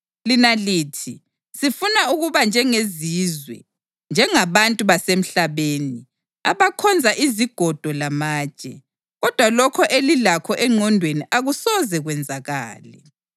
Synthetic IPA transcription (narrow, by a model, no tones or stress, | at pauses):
linaliːtʰi | sifunauɣuβand͡ʒʱɛŋezizwɛ̰ | nd͡ʒʱɛŋaβantʼuβasem̩ɬaβeni | aβakʰɔnd͡zʱaʔiziɡ̥ʱɔd̥ʱɔlamaːt͡ʃʼɛ̰ | ɣɔd̥ʱwalɔkʰɔʔelilakʰɔʔɛŋ͡ǀʱɔndʱweniʔaɣusɔzɛɣwɛnd͡zʱaɣa̰ːlɛ